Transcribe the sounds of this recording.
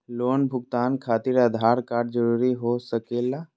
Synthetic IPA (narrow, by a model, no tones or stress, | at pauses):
loːnbʱʊɡt̪aːnkʰaːt̪iɾad̪ʱaːɾkaːɖd͡ʒəɾuːɾiɦosəkeːla